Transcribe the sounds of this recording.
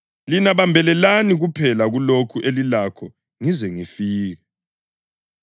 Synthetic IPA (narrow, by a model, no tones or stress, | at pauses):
linaβambʱɛlɛlaniɣupʰɛlaɣulokʰuʔelilakʰɔ | ŋizɛŋifiːɣɛ